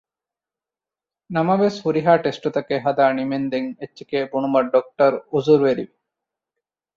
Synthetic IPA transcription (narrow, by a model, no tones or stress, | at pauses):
namabeshuɾiɦaʈesʈɔt̪akeɦad̪animend̪eŋeːikebuɳumaɾɖɔk̚ʈɔɾuzuɾweɾibi